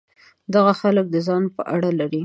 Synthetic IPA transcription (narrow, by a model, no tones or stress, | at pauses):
d̪aɣaxalək̚d̪əzɑnpə̰ʔaɽalaɾi